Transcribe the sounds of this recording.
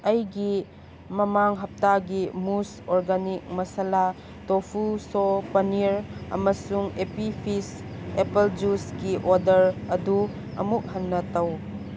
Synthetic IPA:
ɐjɡi | mɐmaŋɦɐp̚taɡimus | oɾɡanik̚mɐsala | topʰusopɐniɾɐ̰mɐsuŋepipʰisepeld͡ʒusɡiʔodɐɾɐdu | ɐ̰muk̚hɐnːɐtɐw

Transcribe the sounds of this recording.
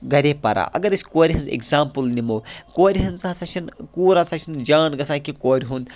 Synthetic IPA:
ɡɐɾʲepɐɾa̰ːʔɐ̰ɡɐɾɐsʲkoːɾʲiɦɐnzḛkzaːmpɨlnimoːkoːɾʲiɦɐnzɐsɐt͡ʃʰinkuːɾasɐt͡ʃʰind͡ʒaːnɡɐsãːkikoːɾʲɦũnd̪

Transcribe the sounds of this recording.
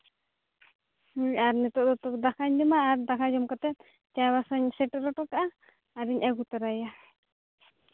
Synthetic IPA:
hɲaɾnɛt̪ɔʔd̪ɔt̪ɔkd̪akʰaɲdɔmaːɾd̪akʰad͡ʒɔmkat̪ɛt̪̚ | t͡ʃajwasaɲsɛʈɔɾɔʈɔkaʔaː | ɾiɲʔaɡut̪aɾaja

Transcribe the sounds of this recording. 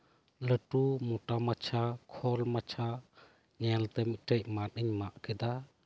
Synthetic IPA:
ləʈumuʈamat͡ʃʰakʰɔlmat͡ʃʰa | ɲɛlt̪ɛmic̚ʈəʔ̚mat̪əɲmaʔkʰɛd̪a

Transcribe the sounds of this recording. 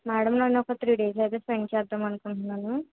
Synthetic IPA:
maːɽɐmloːnɔkɐt̪ʰɾiːɖeːs̬ɐjt̪eːsɾeɳɖt͡ʃɛːd̪ːamɐnukuɳʈunːaːnu

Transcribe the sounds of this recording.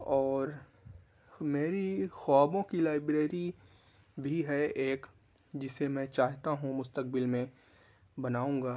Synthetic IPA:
ɔːɾ | meːɾixɔːbõkilaːɪbɾeːɾi | bʱiɦɛeːk | d͡ʒɪsemɛ̃t͡ʃaːɦt̪aɦũmʊst̪ək̚bɪlmẽ | bɐnaːũːŋɡaː

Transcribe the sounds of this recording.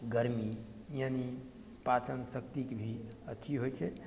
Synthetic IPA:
ɡəɾmijani | pat͡ʃənsəkt̪ikbʱiət̪ʰiɦojt͡ʃʰɛ

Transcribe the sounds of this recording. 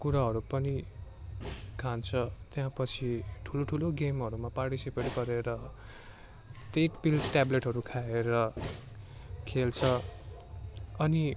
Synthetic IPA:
kuɾaɦʌɾupʌni | kʰant͡sʰʌt̪jãpʌt͡sʰiʈʰuloʈʰuloɡemɦʌɾumaparʈisipeʈɡʌɾeɾʌ | t̪eʈpilsʈableʈɦʌɾukʰaeɾʌ | kʰelt͡sʰʌ | ʌni

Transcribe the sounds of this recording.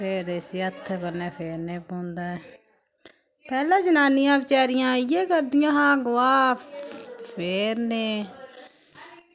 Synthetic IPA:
pʰeːɾesiːət̪ʰːkəɾneːpʰeːɾnẽːpõːnd̪aːɛː | pɛːlãːd͡ʒənaːnɪjãːbɪt͡ʃaːɾɪjãːijẽːkəɾd̪ɪjãːɦãːɡʊʋaː | pʰeːɾneː

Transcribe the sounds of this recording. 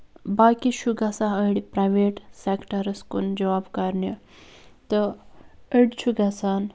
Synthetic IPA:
bakiɕuɡasaəɽipɾajʋeʈsɛkʈəɾəskṵnd͡ʑɐʋabkaɾnjə | t̪ə | əɽt͡ɕʰuɡasan

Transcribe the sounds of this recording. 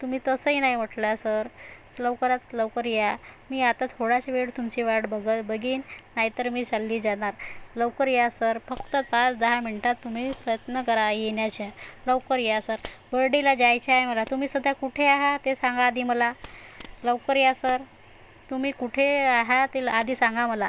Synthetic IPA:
t̪um̤iːt̪əsəinaim̤əʈlasəɾ | ləʋkəɾat̪ləwkəɾijamiːat̪at̪ʰoɽat͡ɕeʋeɽt̪umt͡ɕiʋaɽbəɡət̪bəɡiːnːaɦit̪əɾmiːd͡zalːiːd͡zaɽ̃aɾləwkəɾijasəɾfəkt̪ət̪at͡sd̪əɦamiɳʈat̪ːumiːpɾəjət̪nəkəɾajeɳjat͡ɕaləʋkəɾijasəɾbəɾɖilad͡ʑajt͡ɕajməlat̪um̤iːsəd̪ʱːjakuʈʰeaɦat̪esãŋɡaːd̪ʱiːməla | ləʋkəɾijasəɾ | t̪um̤iːkuʈʰeaɦat̪ead̪ʱiːsaŋɡaməla

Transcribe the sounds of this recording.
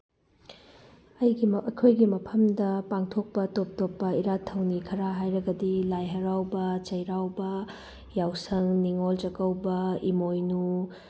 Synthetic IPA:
ɐjɡiɐkʰojɡimɐpʰɐmdɐpaŋtʰok̚pɐtop̚topːɐiɾatʰːɐwnikʰɐɾaɦajɾɐɡɐdilajɦɐɾawbɐt͡ʃɐjɾawbɐ | jawsɐŋniŋolt͡ʃɐkɐwbɐimojnu

